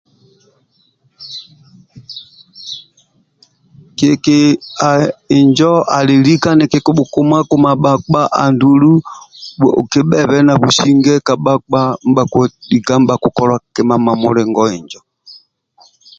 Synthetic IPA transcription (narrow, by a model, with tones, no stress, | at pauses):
ke˨ke˨a˨i˨ɲd͡ʒɔ˦a˨li˨li˦ka˦nɛ˨ke˨ko˦ɓu˨ku˨ma˦ko˦ma˨ɓa˨k͡pa˦ʔa̰˨ndu˨lu˦˨ | o̰˨ke˦ɓɛ˦˨βɛ˦na˨βu˨si˦ŋɡɛ˦ka˨ɓa˦k͡pa˦m̩˦ba˨ko˨˦ɗi˨ɡa˦m̩˦ba˨ku˨kɔ˦lwa˦kɛ˦ma˦ma˨mo˦lɛ˨ŋɡɔ˦i˨ɲd͡ʒɔ˨